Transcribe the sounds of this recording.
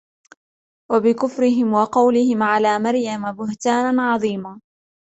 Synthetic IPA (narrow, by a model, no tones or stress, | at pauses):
wabɪkʊfɾɪɦɪmwɑqɑwlɪhɪmʕalaːmaɾjamabʊht̪aːnaʕɑðˤiːmaː